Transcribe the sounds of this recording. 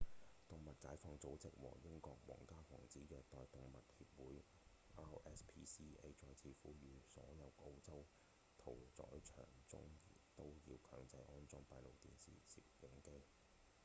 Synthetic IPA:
t̪ʊ˨ŋmɐ˨t̚kaː˨˥jfɔː˧ŋt͡so˨˥wt͡sɪ̰˨k̚wɔ̰ː˨˩ŋjɪ˥ŋkɔː˧k̚wɔ̰ː˨˩ŋkaː˥hɔ̰ː˨˩ŋt͡siː˨˥jɛː˨˧t̪ɔː˨˧jt̪ʊ˨˧ŋmɐ˨t̚hiː˧p̚wuː˨˥j | aː˥ɛː˥spʰiː˥siː˥e˥jt͡ʃɔː˧jt͡sʰiː˧fuː˨˥jyː˨˧sɔː˨˥jɐ˨˧wʔo˥wt͡sɐ˥w | t̪ʰo˨˩wt͡sɔ̰ː˨˥jt͡ʃʰœ̰ː˨˩ŋt͡sʊ̰˥ŋjɪ˨˩t̪o˥wjiː˧wkʰœː˨˥ŋt͡sɐ˧jʔɔː˥nt͡sɔ˧ŋpaː˧jlo˨wt̪iː˨nsḭː˨sḭː˨jɪ˨ŋke˥j

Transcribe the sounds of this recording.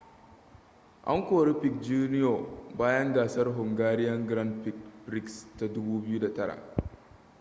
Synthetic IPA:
ʔa̰˦ŋkʷoː˨ɽi˦ɸɪ˨kd͡ʒuː˦nɪ˦jo˨baː˦jɐ˦ŋɡaː˨sɐ˦rɦʊ˨ŋɡaː˦ɽɪ˦jɐ˦ŋɡɾɐ˦nɸɪ˨kbɾɪ˦ksta˨dʊ˦buː˦bɪ˦ju˦da˨tɐ˦ɽa̰˨ʔ

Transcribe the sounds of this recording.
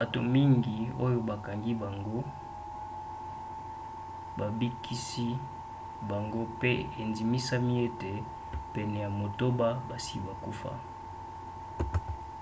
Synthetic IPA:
a˨to˨mi˦ŋɡi˨o˦jo˦ba˨ka˨ŋɡi˦ba˨ŋɡo˦ | ba˨bi˦kʰi˦si˦ | ba˨ŋɡo˦pe˦e˨nzi˨mi˦sa˦mi˦e˦te˨ | pɛ˨nɛ˨ja˨mo˨to˦ba˦ba˨si˦ba˨ku˦fa̰˦

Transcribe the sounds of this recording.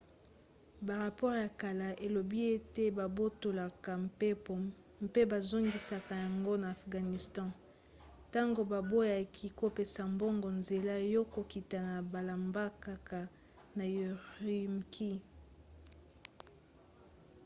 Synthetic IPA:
ba˨ʁa˨pɔ˦ʁja˨ka˨la˨ʔe˨lo˨bi˦e˦te˦ba˨bo˦to˨la˨ka˨˦˨ | mpe˦ba˨zo˦ŋɡi˨sa˨ka˨ja˨ŋɡo˦naː˨fɡa˨ni˨stɑ̃˦ | ta˦ŋɡo˨ba˨bo˦ja˨kʰi˨ko˨pe˨sa˨mbɔ˦ŋɡɔ˨nze˨la˦jɔ˦ko˨ki˨ta˨na˨ba˨la˨mba˦ka˨ka˨ | na˨jʁi˨mkʰi˦

